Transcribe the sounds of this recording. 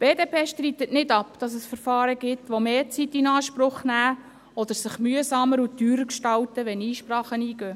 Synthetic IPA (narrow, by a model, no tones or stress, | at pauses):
b̥eːdeːpʰeːʃtriːt̪ətnɪdɑpd̥ɑs̬əsfəɾfɑːɾəɡ̥ɪtʋomeːɾt͡sitːinɑːʃpɾʊχnæː | ɔd̥̪əɾsɪχmyəsɑməɾutyːɾəkʃtɑltəʋɛniːʃprɑːχəniːɡ̥øː